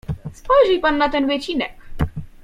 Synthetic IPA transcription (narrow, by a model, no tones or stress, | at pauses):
spɔjʐɘpanːat̪ɛnvɘt͡ɕinɛk